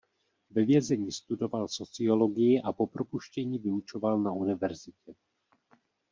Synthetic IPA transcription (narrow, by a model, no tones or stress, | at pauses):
vɛvjɛzɛɲiːst̪udo̞valso̞t͡sɪo̞lo̞ɡɪjɪʔapo̞pɾo̞puʃcɛɲiːvɪut͡ʃo̞valnaunɪvɛɾzɪcɛ